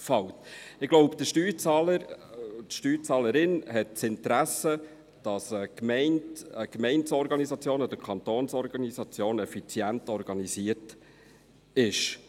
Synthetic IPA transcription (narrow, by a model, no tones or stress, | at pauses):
fɑwtɪɡloʊpd̥̪əʃtyːt͡sɑləɾtʃtyːt͡sɑːləɾɪnɦɛt̚t͡sɪntɾæsə | d̥ɑsəkmɛɪnəkmɛɪnsɔɾɡɑnisɑt͡sjoːnɔd̥̪əɾkʰɑnt̪oːnsɔɾɡɑnizɑt͡sjoːnɛfit͡sjæntɔɾɡɑnisiət | ɪʃ